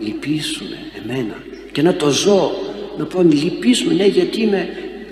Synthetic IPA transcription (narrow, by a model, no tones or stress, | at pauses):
lipisume̞̰eme̞nɐ̰ | cenɐt̪o̞zo̞nɐponlipisumeneʝɐt̪ime̞